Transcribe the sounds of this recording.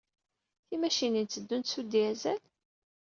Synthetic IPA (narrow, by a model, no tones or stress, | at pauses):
θimæʃinint͡sːəd̪ːunt̪sud̪iæzæl